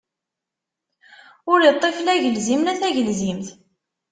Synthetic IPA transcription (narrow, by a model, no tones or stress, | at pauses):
ʊɾjət̪ˤːeflæʝəlzimnæθæʝəlzimθ